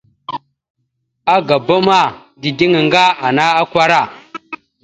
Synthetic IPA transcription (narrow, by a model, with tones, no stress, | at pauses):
a˦ɡa˨ba˦ma˦˨ | di˨di˦ŋi˨ŋɡa˦a˨na˦a˦kʷa˦ɾa˦˨